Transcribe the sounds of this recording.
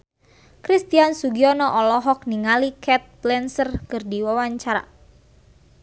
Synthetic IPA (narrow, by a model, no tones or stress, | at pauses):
kɾist̪iansuɡiɔnɔʔɔlɔɦɔk̚niŋalikʰɛt̪̚blɛnsərkɨrdiwawaɲt͡ʃaɾa̰